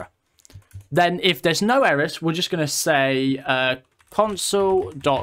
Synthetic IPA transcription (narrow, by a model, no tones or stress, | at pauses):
ðə̃nɪfðəznəʊɛɹɪswɪəd͡ʒʌsɡ̥ʌnəseɪə | kʰɒ̃nsəlˠdɒʔ